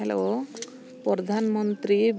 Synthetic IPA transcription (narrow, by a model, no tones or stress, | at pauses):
ɛlḛo | pɔɾɔd̪ʱanmɔnt̪ɾib